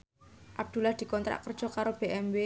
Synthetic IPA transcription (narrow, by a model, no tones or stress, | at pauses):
ʔab̚d̪̥ṳlahd̪̥i̤kɔnt̪ɾa̰ʔkərd̥ʒ̥ɔ̤kaɾob̥eʔɛmbe